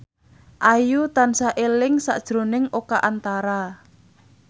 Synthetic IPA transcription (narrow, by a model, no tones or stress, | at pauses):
ʔajut̪ansaʔelɪŋsa̰ʔd̥ʒ̥ɾo̤nɪŋʔokaʔant̪aɾa